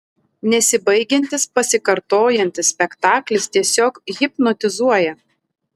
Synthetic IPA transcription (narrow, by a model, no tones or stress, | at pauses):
nʲɛsʲɪbɐɪɡʲɛnʲt̪ʲɪspɐsʲɪkɐɾt̪oːjɛnʲt̪ʲɪsʲpʲɛkt̪ɑːklʲɪst̪ʲiɛsʲoːkɣʲɪpnɔt̪ʲɪzuɔjɛ